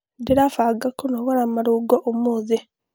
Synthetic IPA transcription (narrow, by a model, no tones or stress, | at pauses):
diɾafaɡakunoɣaɾamaɾuɡoʔomuːzi